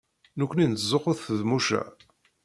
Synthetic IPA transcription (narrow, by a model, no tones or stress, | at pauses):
nukʷːnint͡szːˤoqːʊθθðmuʃæ̰